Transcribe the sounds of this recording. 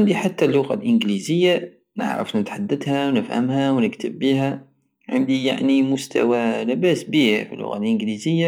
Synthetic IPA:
ʕɪnd̪iħat̪ːalːʊɣalʔɪnɡlizɪjːa | nɪ̰ʕɾɑ̰fnɪt̪ħad̪ːad̪hawnɪfha̰mɦæwnɪkt̪əbːiːɦæ | ʕɪnd̪ija̰ʕnimʊst̪ʰa̰walɪbæːsbiːhfḭlːʊ̰ɣa̰lʔɪnɡlizɪjːa

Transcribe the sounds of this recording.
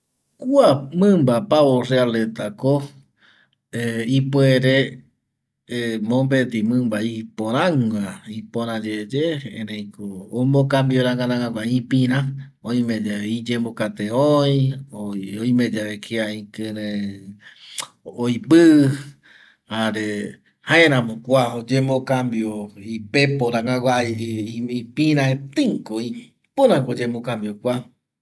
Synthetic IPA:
kuamɨ̃mbapaorealet̪ako | eipueɾe | mõmbet̪imɨ̃mbaipõɾ̃ãŋaipõɾ̃ãd͡ʒed͡ʒeḛ̃ɾẽjkoːmokambioɾãŋɡanãaɡaĩpĩɾãõĩmẽd͡ʒeeid͡ʒẽmbokat̪eoj̃oojmẽd͡ʒaβekʰeaĩkɨɾẽ | ojpɨ | haɾe | hãẽɾãmõkʷaod͡ʒẽmõkambioipepoɾãŋaɡʷaiiipĩɾãet̪iŋkoi | poɾãkod͡ʒẽmokambjokʷa

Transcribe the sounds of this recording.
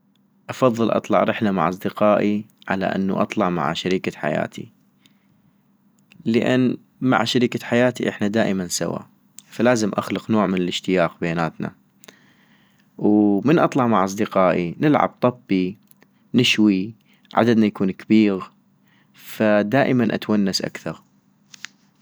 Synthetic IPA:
ʔɑfɑðˤːɨlʔɑ̰t̪ˤlɑ̰ʕɾɪħlama̰ʕʔɑsˤd̪ɪqɑːʔiʕa̰la̰ʔɪ̰nːṵʔɑ̰t̪ˤlɑʕma̰ʕʃaɾiːkaħa̰ja̰ːt̪ʰḭ | lɪʔanː | ma̰ʕʃaɾiːkaħajaːt̪iʔɪħnad̪aːʔɪmansa̰wa̰ | falaːzɪmʔa̰xlʊqnoːʕmɪnɪlɪʃt̪ɪjaːqbeːnaːt̪na̰ | wmɪnʔɑt̪ˤlɑʕmaʕʔɑs̬ˤd̪ɪqɑːʔinɪlʕa̰b̚t̪ˤɑbːi | nɪʃwi | ʕa̰d̪ad̪najakuːnkabiːɣ | fad̪aːʔəmanʔa̰t̪wanːasʔa̰kθɑɾˤ

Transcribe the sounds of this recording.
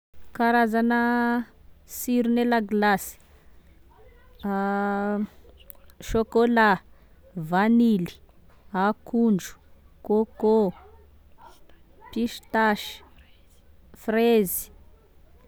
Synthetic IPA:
kaɾazanə | siɾunelaɡlasi̥ | ʃokola | vanili̥ | akuɳd͡ʒu̥ | koko | piʃt̪aʃi̥ | frezi̥

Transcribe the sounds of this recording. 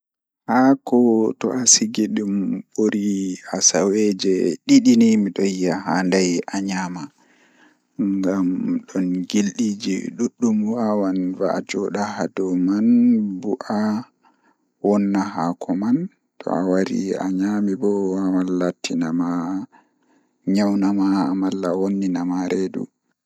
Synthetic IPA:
hakɔtɔʔasiɡiɗumɓoɾiasawɛd͡ʒɛɗiɗinimiɗɔjːaɦandajʔaɲama | ŋɡamɗɔnɡilɗid͡ʒḭɗuɗːumwawanvaa̰d͡ʒɔɗahadɔmanbuʔa | wɔnːaɦakʰɔman | tʰɔ̰a̰waɾḭa̰ɲamibɔwawalːatʰːinama | ɲawnamamalːawonːinamaɾedṵ

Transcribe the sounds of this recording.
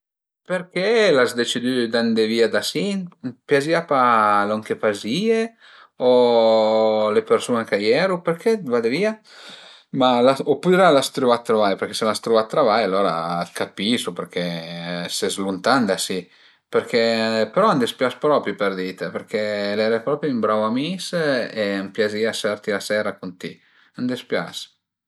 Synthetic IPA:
peɾkelazd̪et͡ʃid̪yd̪and̪eviːad̪asinpjaziapalɔŋk̟epazie | o | lepeɾsunekajɛɾupeɾkʰed̪vad̪eviːa | malaopːud̪ɾalast̪ɾuvat̪ːɾovajpeɾkeselast̪ɾuvat̪ːɾavajalːoːɾa̰kapisupeɾkʰesɛzlunt̪and̪asi | peɾkʰepeɾɔand̪espjaspɾɔpɾipeɾd̪iːt̪epeɾkʰelɛɾepɾɔpɾjuimbɾawamisempjaziasaɾt̪ilasɛːɾakunt̪ḭ | and̪espja̰s

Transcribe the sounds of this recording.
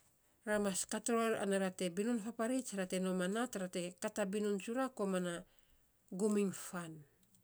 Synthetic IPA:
ɾamaskatɾoɾa̰naɾate̞binunpapaɾit͡ʃɾate̞no̞manatɾate̞katabinunt͡ʃuɾako̞mana | ɡumiŋfan

